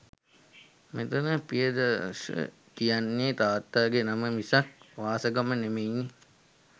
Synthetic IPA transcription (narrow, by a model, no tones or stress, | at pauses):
met̪unəpijəd̪a̰sə̰ | kijanːet̪aːt̪ːaːɡenaməmisak̚ʋaːsəɡamənemejnːe